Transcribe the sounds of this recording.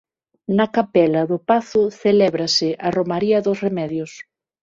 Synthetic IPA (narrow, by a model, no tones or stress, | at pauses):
nɐkapɛlɐðʊpaθʊθelɛβɾɐsɪʔɐromaɾiɐðʊsremɛðjʊs